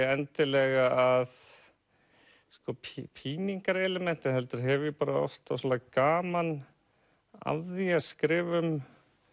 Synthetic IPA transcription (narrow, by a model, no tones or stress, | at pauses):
ɛnt̪ɪlɛɣaað | skɔpʰpʰiːniŋkaɾɛlɛmɛn̥t̪ɪɦɛlt̪ʏɾ̥ɦɛvɪpaːɾaɔ̰ft̪asɔlakaːman | a̰ððiaskɾɪːvʏm